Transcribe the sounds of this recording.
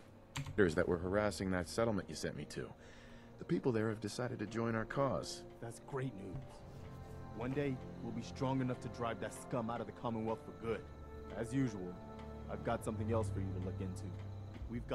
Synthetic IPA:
ɾə˞zðɨ̰ʔwʔə˞ɦə˞æsɪ̃ŋðɨtsɛɾl̩ˠmɨ̃nʔjɨsɛ̰̃nʔmitʰʉ̰ | ðɨpipl̩ˠðə˞ɨvdɨsaɪɾɨd̚tɨd͡ʒɔ̃ɪ̃ɾ̃aʊə˞kʰɔz̥ðætsɡ̥ɹeɪtⁿnʉz̥ | wʌ̃ndeɪwilˠbistɹ̥ɔ̃ŋɨnʌftʰɨdɹaɪvðɨtskʌ̃maʊɾʌvðɨkʰɑmə̃nwɛlˠkfə˞ɡʊɾ | ɨzjʉʒəwl̩ˠ | aɪvɡɑtsʌ̃mθɪ̃ŋɛlˠsfə˞jɨɾəlʊkɪ̃ntʰʉ | wivɡ

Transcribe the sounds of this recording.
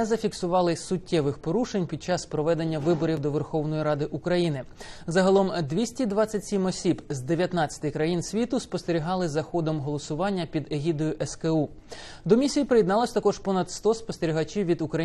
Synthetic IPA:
zɐfʲiksʊʋɑlˠɪsʊtʲːɛʋɪxpɔɾuʃenʲpʲid̪̚t͡ʃɑspɾɔʋɛd̪e̞nʲːɐʋɪbɔɾʲiwd̪ɔʋerxɔwnɔjiɾɑd̪ɪʔukɾɐjinɪzɐɦɐlˠɔmd̪ʲʋʲisʲtʲid̪ʋɑt͡sʲːɐtʲsʲimɔsʲibzd̪eʋʲjɐt̪nɑt͡sʲːɐ̥t̪ɪkɾɐjinsʲʋʲit̪ʊspɔst̪eɾʲiɦɑlˠɪzɐxɔd̪ɔmɦɔlˠɔsʊʋɑnʲːɐpʲid̪eɦʲid̪ɔjʊʔɛskeu | d̪ɔmʲisʲijipɾɪjɪd̪nɑlˠɔsʲt̪ɐkɔʒpɔnɐt̪st̪ɔspɔst̪eɾʲiɦɐt͡ʃiwʋʲid̪ʊkɾɐ

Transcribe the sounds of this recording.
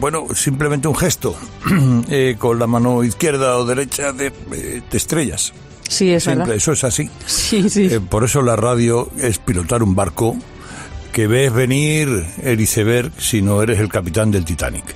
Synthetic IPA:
bwenosimple̞mẽnt̪euŋxe̞st̪o | eko̞nlamãnoiθkje̞ɾð̞aoðe̞ɾe̞t͡ʃaðeḛt̪est̪ɾe̞ʎa̰s | siessimpeesoe̞sasi | sispo̞ɾe̞solarað̞joe̞spilo̞t̪aɾumbaɾko | ke̞βeːzβe̞niɾeliθe̞β̞e̞ɾksino̞e̞ɾe̞se̞lkapit̪and̪e̞lt̪it̪a̰nḭk

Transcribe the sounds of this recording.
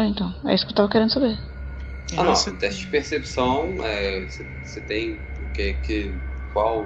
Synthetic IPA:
ẽnt̪ɐ̃w̃ɛ̰isu̥kewt̪avɐkɛɾẽnd̪usaβeɾ | anɐ̃w̃d̪ɛʃt͡ʃpeɾsɛpsɐ̃w̃ɛse | set̪ɐ̃j̃ | ukɛkɨkwalˠ

